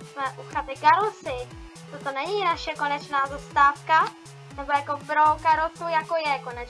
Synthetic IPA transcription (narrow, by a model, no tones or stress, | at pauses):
smɛʔuxat̪ɪɡaɾosɪ | t̪ot̪onɛɲinaʃɛkonɛt͡ʃnaːzast̪aːfka | nɛbojakopɾoɡaɾot̪ujakojɛkonɛ